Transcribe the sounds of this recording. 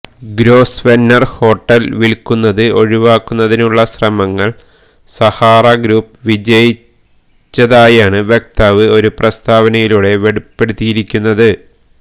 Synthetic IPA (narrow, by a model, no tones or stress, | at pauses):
ɡɾo̞ːsʋenːɐrho̞ːʈːɐlʋiɭkːunːɐðɨo̞ɻiʋaːkːunːɐðinuɭːɐɕrɐmɐŋːɐɭ | sɐhaːrɐɡɾuːp̚ʋid͡ʑɐji | t͡ɕːɐðaːjaːɳɨʋjek̚t̪aʋɨo̞ɾuprɐst̪ʰaːʋɐnɐjiluːɽe̞ʋe̞ɽupːe̞ɽut̪ːijiɾikʲːunːɐðɨ